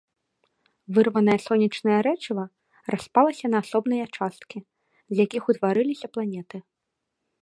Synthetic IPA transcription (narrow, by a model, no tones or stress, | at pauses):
vɨrvɐnɐjɐsɔnʲit͡ʂnɐjɐɾɛt͡ʂivɐ | rʔaspalˠɐsʲɐnɐːsɔbnɐjɐt͡ʂast̪̚kʲi | zʲjakʲixut̪vaɾɨlʲisʲɐplˠanʲɛt̪ɨ